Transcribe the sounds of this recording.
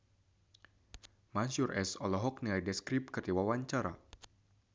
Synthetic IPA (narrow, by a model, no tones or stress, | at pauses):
mansurʔɛsɔlɔɦɔk̚nilajdɛskɾɪp̚kɨrdiwawaɲt͡ʃaɾa̰